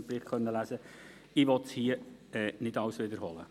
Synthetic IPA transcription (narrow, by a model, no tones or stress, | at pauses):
b̥ɾiːχχœnːəlæsə | ɪʋɔtshiəɛːnɪdɑwsʋɪd̪əɾhɔlə